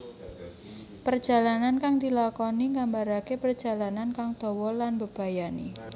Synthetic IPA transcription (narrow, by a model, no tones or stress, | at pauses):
pərd̥d͡ʒ̥a̤lanankaŋd̪ilakɔniŋɡambaɾakepərd̥d͡ʒ̥a̤lanankaŋd̪̥ɔ̤wɔlanbəb̥a̤janḭ